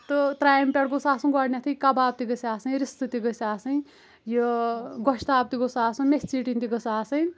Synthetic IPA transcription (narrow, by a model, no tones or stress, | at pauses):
t̪ɨt̪ɾaːjmpʲeʈɡosaːsũɡɔɽnʲat̪ʰijkabaːb̚t̪iɡɐsʲaːsɐjɾist̪ɨt̪iɡəsaːsɐj̃ | joɡɔʃt̪aːp̚t̪iɡosaːsumest͡siːʈint̪iɡəsaːsɐj